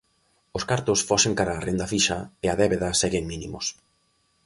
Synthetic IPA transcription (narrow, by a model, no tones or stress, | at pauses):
ʊskaɾt̪ʊsfɔseŋkaɾaːrend̪ɐfiʃɐɪɐðɛβeðɐsɛɣeŋmĩnimʊ̰s